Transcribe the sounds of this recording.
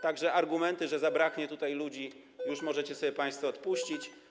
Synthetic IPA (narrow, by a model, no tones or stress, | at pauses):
t̪aɡʐɛʔaɾɡumɛnt̪ɘʐɛzabɾakɲɛt̪ut̪ajlud͡ʑi | juʂmɔʐɛt͡ɕɛsɔbʲjɛpaj̃st̪fɔɔt̪puɕt͡ɕit͡ɕ